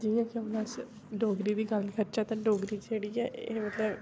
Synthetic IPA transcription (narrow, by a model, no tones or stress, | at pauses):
d͡ʒijãːkiəmnəs | ɖoːɡɾiːd̪iːɡəlkʰəɾt͡ʃɛːt̪ãːɖoːɡɾiːt͡ʃd͡ʒeːɽiːɛːeːmət̪ləb